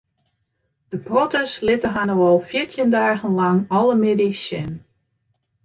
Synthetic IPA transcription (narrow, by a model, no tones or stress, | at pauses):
d̥əprotəslɪtəɦanowɔlˠfjiɹtʰjəndaːɣənlaŋɔlˠəmedisjɪn